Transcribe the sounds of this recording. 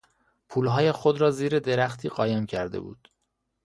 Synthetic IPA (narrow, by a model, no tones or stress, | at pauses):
pʰuːlɦɒːje̞xod̪ɾɒːziːɾe̞d̪e̞ɾæxt̪ʰiːɢɒːjemcʰæɾd̪ḛbṵːd̪̥